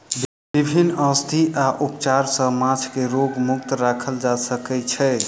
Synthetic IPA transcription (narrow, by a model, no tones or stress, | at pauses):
b | bibʱinːəst̪ʰiʔaʔupt͡ʃaɾsə̃mãt͡ʃʰkeɾoɡmukt̪ɾakʰəld͡ʒasəkɛt͡ʃʰɛ